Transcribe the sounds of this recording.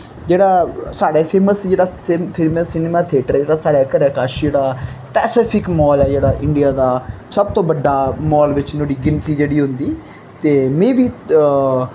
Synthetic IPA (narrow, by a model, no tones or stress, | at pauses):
d͡ʒeːɽaːsaːɽɛːpʰeːməsd͡ʒeːɽaːssɪməsːɪneːmaːt̪ʰeːʈəɾd͡ʒeːɽaːsaːɽaːkəɾaːkaːʃd͡ʒeːɽaːpɛːsɪːpʰɪkmɔːlɛːd͡ʒeːɽaːʔɪ̃ɳɖijaːd̪aː | səb̚t̪õːbəɖːaːmɔːlʋɪt͡ʃnoːɽiːɡɪnpiːd͡ʒeːɽiːɦʊ̃nd̪iː | t̪eːmɛ̃ːʋiː